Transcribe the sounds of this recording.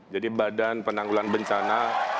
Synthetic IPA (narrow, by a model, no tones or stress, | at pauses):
d͡ʒadibadanpənaŋɡulanbəɲt͡ʃana